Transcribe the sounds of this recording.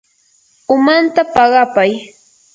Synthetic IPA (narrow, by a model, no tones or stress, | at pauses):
ʊmant̪apɑɢɑpaj